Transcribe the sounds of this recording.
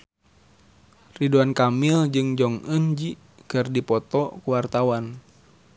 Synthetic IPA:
riduankamild͡ʒɨŋd͡ʒɔŋənd͡ʒi | kɨrdipɔt̪ɔkuwart̪awan

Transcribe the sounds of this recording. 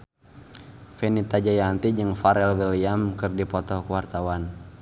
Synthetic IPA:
fɛnit̪ad͡ʒajant̪id͡ʒɨŋfaɾɛlwiliamkɨrdipɔt̪ɔkuwart̪awan

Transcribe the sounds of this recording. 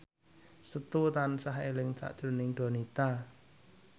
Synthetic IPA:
sət̪ut̪ansaɦelɪŋt͡ʃa̰ʔd̥ʒ̥ɾunɪŋɖ̪̥o̤nit̪a

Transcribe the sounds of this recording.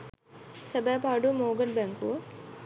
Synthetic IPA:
səbaːpaːɖumoːɡəɾbɛŋkuʋə

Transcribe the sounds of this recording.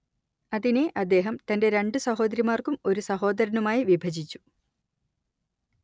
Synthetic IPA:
ɐðineʔɐd̪ːe̞ːɦɐmt̪ɐnde̞ɾe̞ɳɖɨsɐɦo̞ːd̪ɐɾimaːrkumo̞ɾusɐɦo̞ːd̪ɐɾɐnumaːjiʋibʱɐd͡ʑit͡ɕːu̥

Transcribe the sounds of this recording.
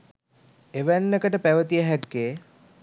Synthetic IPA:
eʋænːekəʈəpæʋət̪ijəɦækːeː

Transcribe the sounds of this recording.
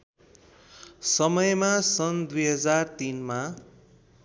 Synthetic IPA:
sʌmʌjmasʌnd̪ujɦʌd͡zart̪inma

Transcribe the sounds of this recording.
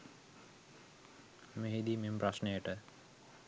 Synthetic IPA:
meɦid̪imemprɐsnejəʈə

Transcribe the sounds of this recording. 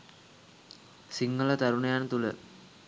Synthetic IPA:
siŋːələt̪aɾunejaːnət̪ulə

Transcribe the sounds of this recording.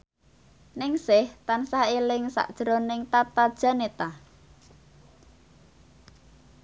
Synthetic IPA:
nɪŋsɪht̪ansaelɪŋsa̰ʔd̥ʒ̥ɾonɪŋt̪at̪ad̥ʒ̥a̤net̪a

